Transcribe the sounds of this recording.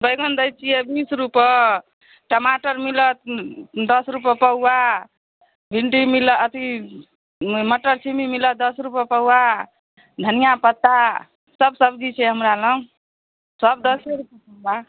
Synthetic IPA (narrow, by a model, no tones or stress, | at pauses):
bəjɡənd̪əjt͡ʃʰijebisɾupə | ʈəmaʈəɾmilət̪̚d̪ʌsɾuppəwa | bʱiɳʈimilːt̪i | məʈəɾt͡ʃʰimimiləd̪ʌsɾupəpəwa | d̪ʱənijapət̪ːa | səbsəbɡit͡ʃʰeɦəmɾalə̃ | səbd̪əseɾupəpəba